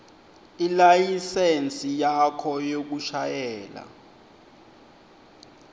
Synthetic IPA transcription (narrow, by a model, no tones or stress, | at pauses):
ilajisent͡sʼijakʰɔjok̬uʃajɛːla̰